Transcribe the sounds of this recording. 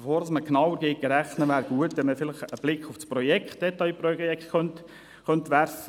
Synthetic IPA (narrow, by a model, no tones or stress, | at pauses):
əfoːɾdɑsməknɑwəɾɡeːk̚ɡəɾæχnəʋæːɾɡ̥uətʋɛnməfɪlɪχəb̥lɪkχʊfspɾɔjɛkχtd̥ɛt̪ːɑjpɾɔɛktœnt̪ | χœnt̪ʋæɾfə